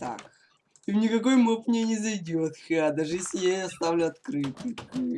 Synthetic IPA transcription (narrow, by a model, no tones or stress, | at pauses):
t̪a̰k | ivnʲɪkɐko̞jmopvnʲenʲɪzɐjdʲot̪xɨad̪aʐɨjesʲɪjajɐst̪avlʲʊɐt̪kɾɨt̪ɨ